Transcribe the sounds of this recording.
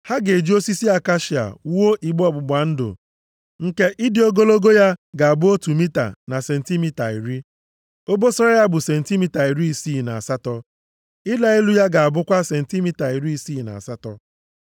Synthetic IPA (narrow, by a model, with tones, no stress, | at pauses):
ha˦ɡe˨d͡ʒi˦o˦si˦si˦a˦ka˦ʃi˨a̰˨˦o˦ʔi˨ɡ͡bɔ˦˨bʊ˨ba˨n̩˦dʊ̰˨ | ŋ̩˨ke˦ʔɪ˦dɪ˨o˦ɡo˦lo˦ɡo˦ja˦ɡa˨a˨bʊ˦o˦tu˨mi˦ta̰˨na˨se˨n̩˨ti˦mi˦ta˨i˨ɾi˦ | o˦bo˦sɔ˦ɾa˦ja˦bʊ˨se˨n̩˨ti˦mi˦ta˨i˨ɾi˦i˨si˦˨na̰˨a˨sa˦tɔ˦ | ɪ˦la˨i˦lu˦ja˦ɡa˨a˨bʊ˦kʷa˦se˨n̩˨ti˦mi˦ta˨i˨ɾi˦i˦si˦˨na̰˨a̰˨sa˦tɔ˦